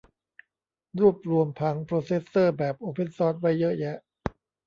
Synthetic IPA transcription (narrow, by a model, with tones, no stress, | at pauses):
ɾuː˥˩əp̚ɾu˧əmpʰa˦˥ŋpʰɾoː˧se˦˥sːɤː˥˩bɛː˨˩p̚ʔoː˧pʰe˥˨nsɔː˦˥t̪̚wa˦˥˩jːɤ˦˥jɛ˦˥ʔ